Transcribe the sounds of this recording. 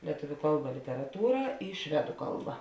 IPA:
lʲiɛˈtʊʋʲʊ ˈkɐlˠˌbɐ lʲɪtʲɛrɐˈtuːrɐ ɪ ˈʃʲʋʲæːdʊ ˈkɐlˠˌbɐ

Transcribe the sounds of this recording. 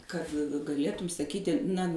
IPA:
ˈkɐt ɡɐˈlʲeːtʊm sɐˈkʲiːtʲɪ nɐ

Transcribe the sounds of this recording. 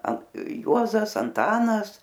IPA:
ɐn ˈjuɔzɐs ɐnˈtɑːnɐs

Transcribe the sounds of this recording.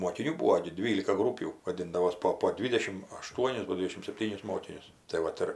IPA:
moːkʲɪˈnʲuː ˈbuːoː ɡʲɪ ˈdʲʋʲiːlʲɪkɐ ˈɡruːpʲuː ʋɐˈdʲɪndɐʋoːs ˈpoː poː ˈdʲʋʲɪdʲɛʃʲɪm ɐˈʃtuɔnʲɪs ˈɡoːlʲ ˈdʲʋʲɪdʲɛʃʲɪm sʲɛpʲˈtʲiːnʲɪs ˈmoːkʲɪnʲʊs tɐɪ ˈʋɐt ɪr

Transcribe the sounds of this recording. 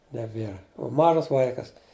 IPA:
nʲɛˈbʲeːrɐ ʊ ˈmɑːʒɐs ˈʋɐɪkɐs

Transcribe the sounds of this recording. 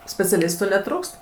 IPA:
sʲpʲɛt͡sʲɛˈlʲɪstʊ nʲɛˈtruːkst

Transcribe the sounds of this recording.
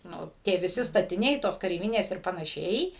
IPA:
nʊ tʲiɛ ʋʲɪˈsʲɪ stɐtʲɪˈnʲɛɪ ˈtoːs kɐrʲɛɪˈʋʲɪnʲeːs ɪr pɐnɐˈʃʲɛɪ

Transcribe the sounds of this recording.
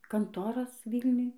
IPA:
ˈkɐntoːrɐs ˈʋʲiːlʲnʲʊj

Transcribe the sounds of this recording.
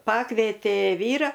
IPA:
ˈpɑːkʋʲeːtʲeː ˈʋʲiːrɐ

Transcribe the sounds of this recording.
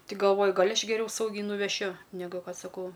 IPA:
tʲɪ ɡɐlˠˈʋoːjʊ ˈɡɐlʲ ɐʃ ɡʲɛˈrʲɛʊ ˈsɐʊɡʲɛɪ nʊʋʲɛˈʃʲʊ nʲɛˈɡʊ ˈkɐt sɐˈkɐʊ

